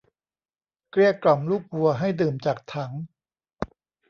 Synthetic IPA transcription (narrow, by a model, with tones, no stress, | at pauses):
kɾi˥˩əklɔ˨˩mluː˥˩k̚wu˧ɐɦa˥˩jdɯː˨˩mt͡ɕaː˨˩k̚t̪ʰa˩˦ŋ